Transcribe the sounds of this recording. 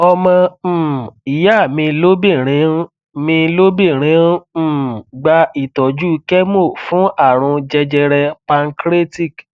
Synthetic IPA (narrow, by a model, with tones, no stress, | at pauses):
ɔ˧mɔ̃˧˨ | i˨˦ja˦˨mĩ˧lo˦bi˦˨ɾ̃ĩ˨˧˦ | mĩ˧lo˦bi˦˨ɾ̃ĩ˨˦˨ɡ͡ba˧i˨tɔ˨d͡ʒu˦kɛ˦mo˦˨fũ˨˦ʔa˦˨ɾ̃ũ˧d͡ʒɛ˧d͡ʒɛ˧ɾɛ˧pa˧ŋ˦kɾe˦ti˦˨k